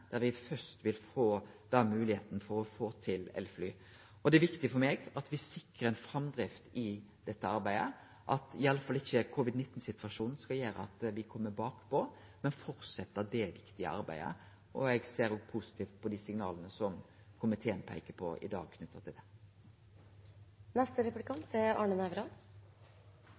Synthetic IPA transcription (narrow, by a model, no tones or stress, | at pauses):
d̪̥æɾʋɪfœst̪ʋɪlfoːd̪̥ɑmʉːlɪheːt̪nəfɔɾɔfoːt̪ʰɪlɛ̰lːflyː | ɔd̪ɛæʋɪkt̪ɪfɔɾmeːɡɑt̪ʋɪsɪkɾəɾɛɪnfɾɑmd̪ɾɪft̪ɪd̪̥ɛt̪ːəɑɾbæɪd̪ə̰ | ʔɑt̪ɪɑlːəfɑlːɪçːəkʰʊʋɪd̪nɪt̪ːn̩sɪt̪ʋɑʂuːnn̩skɑljøːɾə̰ɑ̰t̪ʋɪkʰɔmːəbɑːkpʰɔ | mɛnfɔɾt̪sɛt̪ːəd̪ɛʋɪkt̪ɪə̰ɑ̰ɾbæ̰ɪə̰ | ʔɔɛɡseːɾoːɡpʰusɪ̥t̪ʰiːft̪̚pʰɔd̪iːsɪŋnɑ̰ːlənəsɔm | kʰʊmɪt̪ʰɛːnpʰæ̰ɪkəpʰɔ̰ɪ̰d̪ɑ̰ːɡ̚kʰnʉt̪ːət̪ɪld̪ɛ | nɛst̪əɾɛpʉlɪkʰɑnt̪ʰɪɑ̰ːɳənæʋɾɑn